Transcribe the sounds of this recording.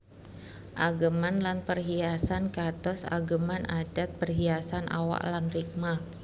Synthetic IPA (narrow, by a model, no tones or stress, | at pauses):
ʔaɡəmanlanpərɦiasankat̪ɔsa̰ɡəmanad͡ʒat̪̚bərɦiasanʔa̰wa̰ʔlanrik̚ma